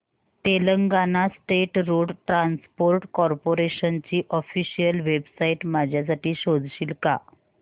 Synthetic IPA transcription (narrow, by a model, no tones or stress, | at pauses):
ʈeləŋɡanasʈeʈɾoɽʈɾanspoɾʈkɔɾpoɾeɕənt͡ɕiːʔɔfiɕijəlʋebsaiʈmad͡ʑʱjas̬aʈiːɕod͡z̪ʱɕiːlka̰